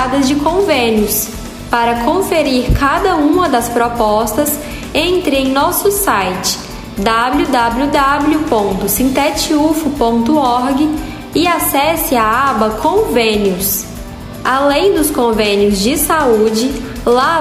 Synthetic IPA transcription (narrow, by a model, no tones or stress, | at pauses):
ad̪ɐzd͡ʒɪkõvẽnjʊs | paɾɐkõfeɾiɾkad̪ɐũmɐd̪ɐspɾɔpɔst̪ɐs | ẽnt̪ɾɪẽj̃nɔsʊsajt͡ʃɪ̥ | d̪abljud̪ablud̪ablupõnt̪ʊsĩnt̪ɛt͡ʃiufʊpõnt̪ʊɔɾɡɪ | ɪasɛsɪaabɐkʰõvẽnjʊs | alẽj̃d̪ʊskõvẽnjʊzd͡ʒɪsaud͡ʒɪ | la